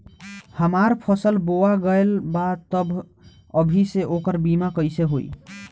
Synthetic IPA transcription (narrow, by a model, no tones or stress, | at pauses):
həmaɾpʰəsəlboaɡəjlbat̪əbʱ | əbʱiseʔokəɾbimakəjseɦo̰j